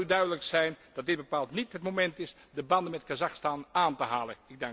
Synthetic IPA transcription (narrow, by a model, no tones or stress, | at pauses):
ydœɥdələksɛjnd̥ɑt̚dɪd̚bəpaːlˠtnitɦətmomɛntɪs | dəbɑndənmɛtkazaxstanaːntəɦaːlˠənɪɡ̚daŋ